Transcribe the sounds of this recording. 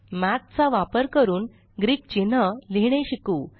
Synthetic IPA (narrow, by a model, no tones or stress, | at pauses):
mæt̪̚t͡saʋapəɾkəɾuːn | ɡɾiːk̚t͡ɕin̤əliɽ̃eɕikuː